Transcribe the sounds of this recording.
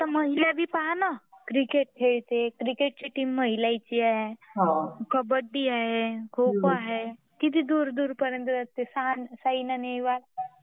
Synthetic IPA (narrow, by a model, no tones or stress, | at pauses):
t̪aməɦiljabʱiːpanəkɾikeʈ̚kʰeɭt̪ekɾikeʈ̚t͡ɕeʈiːmːəɦilajt͡ɕiaɦeɦakʰəbəɖːiaɦekʰupaɦe | kit̪id̪uːɾd̪uːɾpəɾjənt̪əd͡zat̪esansainanejʋal